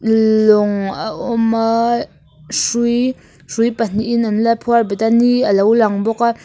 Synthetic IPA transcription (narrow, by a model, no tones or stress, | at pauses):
lʊŋaʔɔma | ʂuj | ʂujpan̥iʔːnanlapʰuarbit̪aniəlowlaŋbɔka